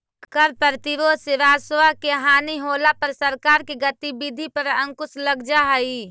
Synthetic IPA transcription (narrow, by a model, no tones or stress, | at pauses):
kəɾpəɾt̪iɾoːsɪɾaːswakeɦaːniɦoːlapɐɾsəɾkaːɾkiɡət̪ibid̪ʱipəɾə̃ŋkʊsləɡd͡ʒaɦɐi